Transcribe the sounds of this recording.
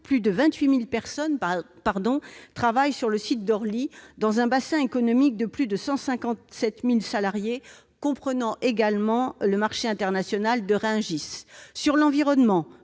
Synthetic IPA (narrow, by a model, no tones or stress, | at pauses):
plyd̪əvɛ̃t̪ɥimilpɛʁsɔn | paʁd̪ɔ̃t̪χavajsyʁləsit̪̚d̪ɔʁlid̪ɑ̃zɛ̃basɛ̃ekɔnɔmik̚d̪əplyd̪əsɑ̃sɛ̃kɑ̃t̪sɛt̪milsalaʁje | kɔ̃pχənɑ̃ʔeɡalmɑ̃ləmaʁʃeɛ̃t̪ɛʁnasjɔnald̪əʁɛ̃ʒisːyʁlɑ̃viʁɔnmɑ̃